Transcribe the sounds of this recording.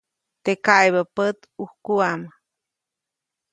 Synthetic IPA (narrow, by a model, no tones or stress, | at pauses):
t̪ekajβəpət̪uhkuam